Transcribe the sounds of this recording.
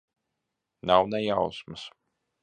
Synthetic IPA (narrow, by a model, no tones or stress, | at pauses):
nawnɛjawsmɨs